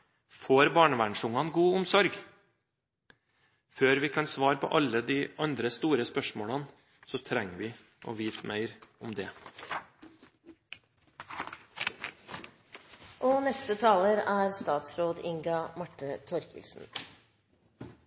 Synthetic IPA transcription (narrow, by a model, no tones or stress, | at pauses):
foːɾbɑːɳəʋæːɳʂʊŋɑnɡuːʊmsɔɾɡ | føːɾʋɪkʰɑnsʋɑːɾpʰɔ̰ʔɑləd̪iːʔɑnd̪ɾəst̪uːɾəspœʂmoːɭɑn | sɔt̪ʰɾɛŋːʋɪː | ʔo̰ːʋiːt̪mœʏɾʊmd̪ɛː | ʔonɛst̪ət̪ʰɑːləɾæːɾst̪ɑːt̪sɾoːd̪ɪŋɡɑmɑʈːət̪ʰɔɾkə̰lsn̩